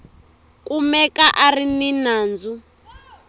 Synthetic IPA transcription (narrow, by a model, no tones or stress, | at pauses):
kʼumɛkaʔarininaːnd͡zu